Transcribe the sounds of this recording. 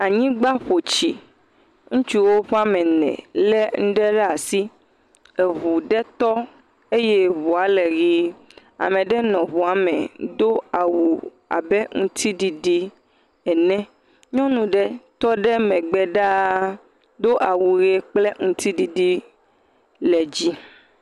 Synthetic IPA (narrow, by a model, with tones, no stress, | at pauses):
a˨ɲĩ˦ɡ͡ba˦ɸo˨t͡ɕi˨ | ŋũ˦t͡ʃu˦wo˦ɸa˦mɛ̃˨nɛ̰̃˨lɛ˦ŋ̩̃˦ɖɛ˦ɖɛ˦a˨si˦ | e˨βu˨ɖɛ˦t̪ɔ˦ | e˦jɛ˦βu˨a˨lɛ˨ɣi˦ | a̰˨mɛ̃˨ɖɛ˦nɔ̃˨βu˨a˨mɛ̰̃˨d̪o˦a˨wu˨ | a̰˨bɛ˦ŋũ˦t̪ʰi˦ɖi˨ɖi˦ | ɛ˨nɛ̃˦ | ɲɔ̃˦nũ˨ɖɛ˦t̪ɔ˦ɖɛ˦mɛ̃˨ɡ͡bɛ˦ɖa˦ | d̪o˦ʔa˨wu˨ɣe˦k͡plɛ˦ŋũ˨t̪i˦ɖi˨ɖi˦ | lɛ˨d͡ʑi˦